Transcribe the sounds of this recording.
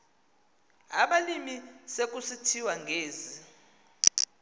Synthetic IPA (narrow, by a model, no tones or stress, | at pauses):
aɓalimisek̬ʼusitʰiwaŋɡʱeːzi